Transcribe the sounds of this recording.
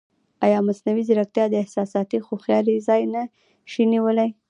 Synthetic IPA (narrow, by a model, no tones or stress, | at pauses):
ajɑmasnawizaɾak̚t̪jɑd̪əɪhsɑsɑt̪ixoxjɑlizɑjna | ʃiniwəlaj